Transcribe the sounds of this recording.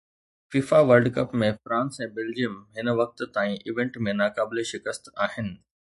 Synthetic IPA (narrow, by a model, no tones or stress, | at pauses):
fiːfaʋəɾɖkɐpmẽfɾãːnsɛ̃ːbeːld͡ʑijəmɦɪnʋɐk̚t̪̆t̪aːĩʔɪʋẽɳʈmẽnaːkaːbɪleʃɪkəst̪aːɦɪnɪ̆